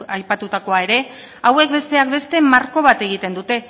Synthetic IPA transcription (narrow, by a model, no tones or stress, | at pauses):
ajpat̪ut̪ako̞ae̞ɾe̞ | awe̞kbe̞st̪e̞ak̚be̞st̪e̞maɾko̞βat̪e̞ɣ̞it̪e̞nd̪ut̪e̞